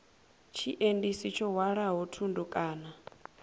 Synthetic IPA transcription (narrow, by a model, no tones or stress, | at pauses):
t͡ʃʰiʔendisit͡ʃʰɔɦwaɺaɦutʰundɔkʼaːna